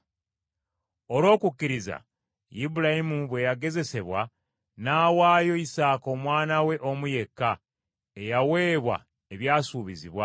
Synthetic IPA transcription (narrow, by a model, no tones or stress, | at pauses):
o̞lwo̞ːkukːiɾiza̰ | jibuɾajimuβwe̞jaɡe̞ze̞se̞βwa | naːwaːjo̞isaːko̞mwaːnawe̞ʔo̞muje̞kːa | e̞jawe̞ːβwa̰ | eβjaːsuːβiziβwa